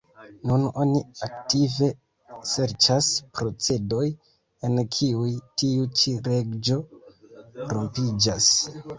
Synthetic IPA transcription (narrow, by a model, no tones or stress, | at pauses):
nuno̞niaktive̞ | se̞ɾt͡ʃaspɾo̞t͡se̞do̞j | enkʰiujtiut͡ʃiɾe̞ɡd͡ʒo̞ | ɾompid͡ʒas